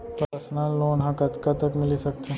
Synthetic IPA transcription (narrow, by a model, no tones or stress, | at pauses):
pɾəsnalːoːnɦãkɐt̪kat̪əkmɪlisɐk̚t̪e